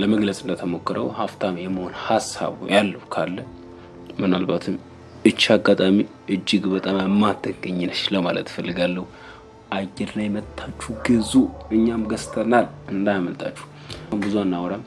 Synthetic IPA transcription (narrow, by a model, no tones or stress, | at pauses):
ləməɡləsʼɨnd̪ət̪ʰəmo̞kːɨɾʔəwhaft̪ʰamjɛmːəho̞nhasa̰βṵjalːəhukʰalːə | mɨnalbat̪ʰɨm | ɨt͡ʃːaɡat̪ʼami | ʔɨd͡ʒːɨɡbət̪ʼaməmːat̪ʰːəɡəɲːɪnɨʃləmalə̰t̪fəlːɨɡalːəhu | ʔaɡɛd̪lajmət̪ʰːat͡ʃːuɡɨzuɨɲːamɡəst̪ʰənalɨnd̪ajməlt̪ʰʼa̰t͡ʃːu̥h | mbɨzuanːawɾam